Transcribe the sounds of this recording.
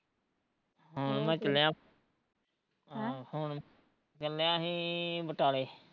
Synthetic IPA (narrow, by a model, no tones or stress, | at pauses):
ɦʊɳmɛ̃ːt͡ʃəljãː | hʊɳ | t͡ʃəljãːɦiːbəʈaːleː